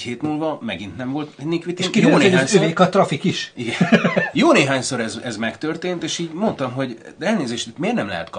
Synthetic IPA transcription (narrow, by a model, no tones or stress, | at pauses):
heːt̪muːlvɒmɛɡint̪nɛmvo̞lt̪nikʋit̪iʃkijoːneoːɲsøːikɒt̪rɒfikiʃiɡɛjoːneːɦaːɲsoɾɛzɛzmɛkt̪ørt̪eːnt̪eːʃiːɟmo̞nt̪ɒmɦo̞ɟd̪ɛlneːzeːʃt̪it̪meːrnɛmlɛ̰ɛ̰t̪kɒ